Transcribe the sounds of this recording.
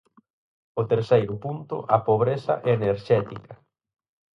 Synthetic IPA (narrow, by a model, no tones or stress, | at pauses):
ʊt̪eɾsejɾʊpunt̪ʊ̰ʔɐpoβɾesɐ̰ʔeneɾʃɛt̪ikɐ